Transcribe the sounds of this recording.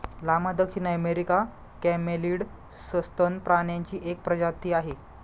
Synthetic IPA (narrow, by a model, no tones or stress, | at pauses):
lamad̪əkʂinəmeɾika | kɛmeliːɽ | səst̪ənpɾaɳjaɲt͡ɕiːʔek̚pɾəd͡ʑat̪iːaɦe